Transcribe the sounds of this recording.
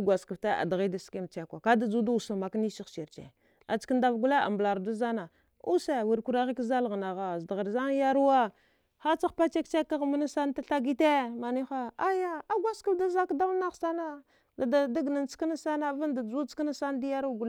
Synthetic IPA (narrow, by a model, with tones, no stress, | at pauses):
ɡʷa˨skə˨fta˦a̰˨da˨ɣi˦da˨ske˦mt͡ʃe˨kʷa˨ka˦da˨d͡zu˦da˦u˨sa˨ma˨kni˦ʃi˦ʃi˨ɾt͡ʃḛ˨ | a̰˨t͡ʃkə˦nda˨vɡu˦la˦a̰˨mbla˨ɾda˦za˦na˨ | u˦se˨wu˨ɾku˦ɾa˦ɣi˦kza˦lɣna˨ɣa˨zda˨ɣə˨ɾza˦n˦ja˦ɾu˦wa˦ | xa˦t͡sa˦xpa˦t͡ʃe˦k̚t͡ʃe˦kːa˦ɣma˦na˦sa˦n˦ta˦ɬa˦ɡi˦te˦ma˨ni˦xa˦a˦ja˦a˦ɡʷa˦skə˦lda˦za˦kda˦wna˦ɣsa˦na˦ | a˨da˨da˦ɡna˨nt͡ska˦na˦sa˦na˦va˦nda˨d͡zu˦t͡skna˦sa˦nda˦ja˦ɾu˦ɡu˨l